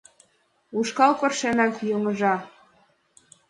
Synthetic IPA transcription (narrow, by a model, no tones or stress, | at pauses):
uʃkɑlpɤ̆rʃenɑkjoŋə̆ʒɑ